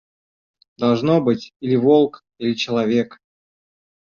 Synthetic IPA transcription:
d̪ɐlˠʐnobɨtʲilʲɪvolˠk | ilʲɪt͡ɕɪlˠɐvʲe̞k

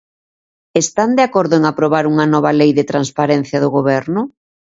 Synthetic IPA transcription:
est̪and̪eakɔɾðʊeŋapɾoβ̞aɾuŋɐnɔβ̞ɐlejðɪt̪ɾanspaɾɛn̟θjɐðʊɣoβɛɾnʊ

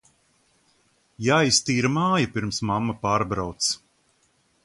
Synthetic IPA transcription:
jaːjst̪iːɾmaːjapiɾmsmamːapaːɾbɾawt̪s

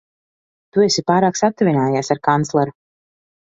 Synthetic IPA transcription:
t̪uesipaːɾaːksat̪ːɛvʲinaːjaːsaɾkant̪slˠɛɾu

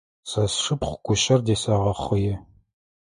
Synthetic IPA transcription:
sɐsʂɨpχʷɡʷʊɕɐrdeːsɐʁɐχʷɨjɪ

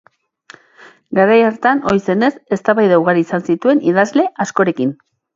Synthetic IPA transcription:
ɡaɾajaɾt̪ano̞jse̞ne̞se̞st̪aβajðawɣaɾiːsansit̪ue̞nið̞azle̞ʔasko̞ɾe̞kin

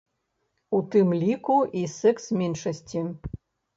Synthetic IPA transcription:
ut̪ɨmlʲikuisɛksmʲɛnʂɐsʲt͡sʲi

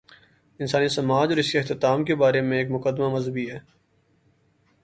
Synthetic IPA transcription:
ɪnsaːnisɐmaːd͡ʒɔːɾɪskeɪxt̪ɪt̪aːmkebaːɾemẽeːkmʊkəd̪mamɐzɦəbiɦɛː

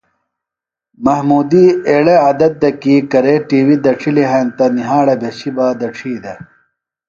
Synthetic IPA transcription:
mɐhmuːd̪iːeːɭeɐd̪ɐt̪̚d̪ɐkikɐɾeːʈiːwid̪ɐʈ͡ʂʰiliɦɐnt̪ɐniɦaːɽɐbʱeɕibaːd̪ɐʈ͡ʂʰiːd̪ɐ

